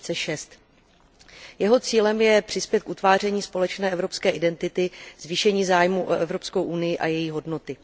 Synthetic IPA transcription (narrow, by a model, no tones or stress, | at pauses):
t͡sɛʃɛst̪ | jɛɦo̞t͡siːlɛmjɛpr̥ɪspjɛt̪̚kʔut̪vaːr̝ɛɲiːspo̞lɛt͡ʃnɛːʔɛvɾo̞pskɛːʔɪdɛnt̪ɪt̪ɪz̥viːʃɛɲiːzaːjmuʔoʔɛvɾo̞pskɛwʔunɪjɪʔajɛjiːɦo̞dno̞t̪ɪ